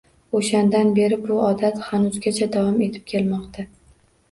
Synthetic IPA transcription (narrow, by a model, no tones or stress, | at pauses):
oʃand̪anbe̞ɾɪbʊɒd̪at̪χanʊzɡʲat͡ʃʰad̪avɒme̞t̪ʰɪ̥p̚kʲʰe̞lmɒqt̪ʰa